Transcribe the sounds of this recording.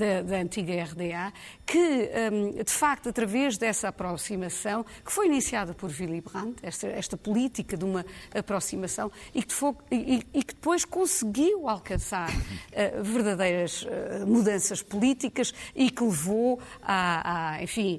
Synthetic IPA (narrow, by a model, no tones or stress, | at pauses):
d̪ɐd̪ɐɐ̃nt̪iɣɐɛʁðea | kɨɛd̪ɨfak̚t̪uɐt̪ɾɐvɛʒd̪ɛsɐapɾɔsimɐsɐ̃w̃kɨ̥fojinisiaðɐpɔɾvilˠiβʁɐ̃nt̪ɛʃt̪ɐɛʃt̪ɐpulˠit̪ikɐðumɐːpɾɔsimɐsɐ̃w̃ik̪foiikd̪ɨpojʃkõsɨɣiwalˠkɐ̃saɾɛvɨɾðɐðɐjɾɐʒɛ̰muðɐ̃sɐʃpulˠit̪ikɐʃikɨlˠɨvoaaḛ̃fĩ